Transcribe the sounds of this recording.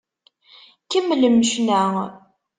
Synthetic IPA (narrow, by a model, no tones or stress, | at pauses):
kəmːləməʃnæ